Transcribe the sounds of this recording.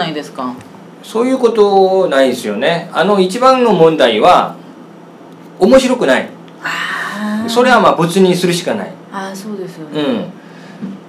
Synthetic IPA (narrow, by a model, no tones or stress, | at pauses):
aid̪esɨ̥ka | so̞ːjɯ̟ːko̞t̪o̞naid̪esɨjo̞ne̞a̰no̞it͡ɕibãnːo̞mõ̞nd̪aiβ̞a | omo̞ɕiɾo̞kɯ̟naḭ | so̞ɾe̞βamaːbɯ̟t͡sɨɲ̟isɨɾɯ̟ɕi̥kana̰ḭ | asoːd̪esɯ̟̃ɴ